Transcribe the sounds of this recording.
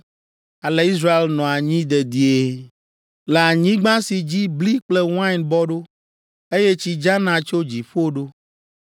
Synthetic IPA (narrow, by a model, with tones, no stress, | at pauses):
a˨le˨i˦s̬ɾa˦e˦lnɔ̃˨a˨ɲĩ˦d̪e˨d̪i˦e˦ | le˨a˨ɲĩ˦ɡ͡bã˦si˨d͡ʑi˦bli˦k͡plɛ˦w̃ã˦i˨nbɔ˦ɖo˦ | e˦je˦t͡ɕi˨d͡ʒa˦nã˨t͡ʃo˦d͡ʑi˨ɸo˦ɖo˦